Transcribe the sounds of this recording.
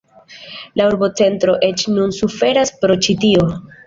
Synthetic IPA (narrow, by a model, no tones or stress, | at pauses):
lauɾbo̞t͡se̞ntɾo̞ʔe̞t͡ʃnunsufe̞ɾaspɾo̞t͡ʃitio̞